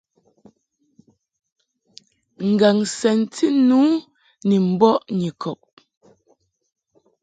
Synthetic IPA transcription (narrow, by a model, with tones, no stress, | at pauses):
ŋ̩˨ɡa˨ŋsɛ˨ntʰi˦nuː˨˦ | ne˨m̩˨bɔ˦ʔɲi˨kʰɔ˨p̚